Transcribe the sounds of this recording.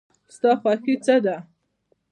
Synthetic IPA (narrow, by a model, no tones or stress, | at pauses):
st̪ɑxwɑxit͡səd̪a